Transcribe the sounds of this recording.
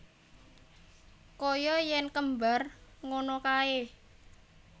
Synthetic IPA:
kojɔjɛnkəmbarŋonɔkaeh

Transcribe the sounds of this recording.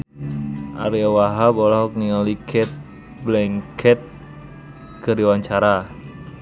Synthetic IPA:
ʔa̰ɾiawaɦabolaɦɔk̚nialikʰɛt̪̚ | blɛŋkʰɛt̪̚ | kəɾiwaɲt͡ʃaɾa

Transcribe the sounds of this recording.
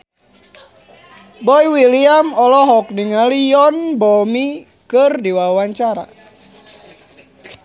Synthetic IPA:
bɔiwiliamɔlɔɦɔk̚niŋaliɔnbɔmi | kɨrdiwawaɲt͡ʃaɾa̰

